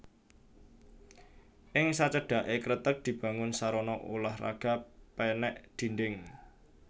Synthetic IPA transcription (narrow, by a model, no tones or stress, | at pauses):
ʔɪŋsat͡ʃəɖ̥a̤ʔekɾət̪ək̚d̪̥i̤b̥ä̤ŋʊnsaɾɔnɔʔṵlahra̰ɡ̥a̤pɛnɛʔd̪̥ind̪ɪŋ